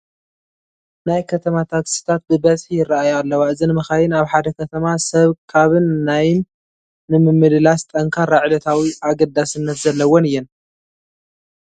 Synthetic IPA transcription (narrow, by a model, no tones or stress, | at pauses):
najkʰɐt̪ʰɐmat̪ʰaksɨ̥t̪ʰat̪̚bɨbɐzħijɪrːaʔajalːɐwaɨzinɨmɐxajɪnaβħad̪ɐkʰɐt̪ʰɐmasɐβkʰaβɨnːajɪnː | ɨmɨmːɨd̪ɨlast̪ʼɐŋkʰaɾaʕlɐt̪ʰawiʔaɡɐd̪asɨnːɐt̪zɐlːɐwonɨjːɛn